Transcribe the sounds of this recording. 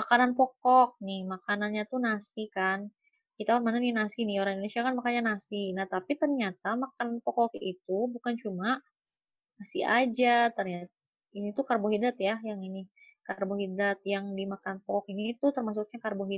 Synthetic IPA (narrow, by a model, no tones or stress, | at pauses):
makananpɔkɔk̚nɪhmakananɲat̪unasikan | kit̪akanmananinasinioɾaŋindonesiakanmakanɲanasinaht̪apit̪ərɲat̪̚amakananpɔkɔkit̪ubukant͡ʃuma | nasia̰d͡ʒat̪ərɲat̪̚a | init̪ukarboɦidat̪jajaŋini | karboɦidat̪̚jaŋdimakananpɔkɔk̚init̪ut̪ərmas̬uk̚ɲakarboɦi